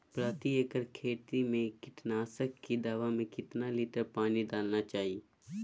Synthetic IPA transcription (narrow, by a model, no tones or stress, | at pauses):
pɾaːt̪iekəɾkʰeːt̪imẽkɪʈnaːsəkːid̪aːʋamẽkɪt̪naliːʈəɾpaːnid̪aːlnat͡ʃaːɦie